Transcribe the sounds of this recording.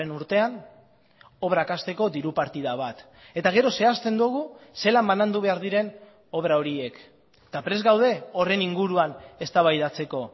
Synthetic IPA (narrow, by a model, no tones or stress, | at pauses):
enuɾt̪e̞an | o̞βɾakast̪e̞ko̞d̪iɾupaɾt̪iðaβ̞at̪ | e̞t̪aɣ̞e̞ɾo̞se̞ast̪e̞nd̪uɣ̞use̞lambanand̪uβ̞e̞aɾð̞iɾe̞n | o̞βɾao̞ɾie̞k | t̪apɾe̞zɣawðe̞o̞re̞niŋɡuɾuane̞st̪aβajðat͡se̞ko̞